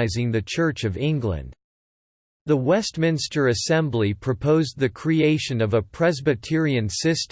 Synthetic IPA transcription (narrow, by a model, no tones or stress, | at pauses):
ɪzɪ̃ŋðɨt͡ʃʰɜ˞t͡ʃʌvɪ̃ŋɡlɨ̰̃nd | ðəwɛst̚mɪ̃nstə˞ɨsɛ̃mblipʰɹ̥ɨpʰoʊzðɨkʰɹ̥ieɪʃɨ̃nʌvəpʰɹ̥ɛzbɨtʰɪɹiɨ̃nsɪst